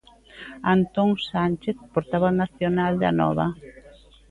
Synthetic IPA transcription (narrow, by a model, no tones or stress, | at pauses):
ant̪oŋsanʲt͡ʃeθpoɾt̪aβanaθjonald̪a̰nɔ̰βɐ